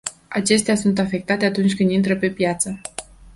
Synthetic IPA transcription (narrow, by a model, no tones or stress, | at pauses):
at͡ʃe̞st̪easunt̪afe̞k̚t̪at̪e̞at̪unt͡ʃʲkɨnd̪int̪ɾəpe̞pjat̪sə